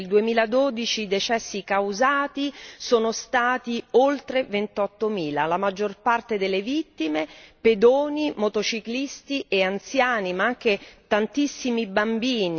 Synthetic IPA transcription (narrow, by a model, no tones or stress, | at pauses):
ld̪uemiːlad̪oːd̪it͡ʃiːd̪et͡ʃɛsːikawzaːt̪isoːnost̪aːt̪iolt̪ɾevent̪ɔt̪ːomiːlalamad͡ʒːorpart̪ed̪elːevit̪ːimeped̪oːnimot̪ot͡ʃiklist̪iʔeant̪sjaːnimaaŋk̟et̪ant̪isːimibambiːni